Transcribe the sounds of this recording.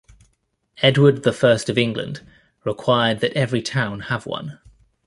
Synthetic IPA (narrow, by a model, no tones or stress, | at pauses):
ɛdwəd̪̚ðəfɜˑstəvɪ̃ŋɡlə̰̃nd | ɹɪkʰw̥aɪəd̪̚ðətɛvɹitʰãʊ̃nəvwʌ̰̃n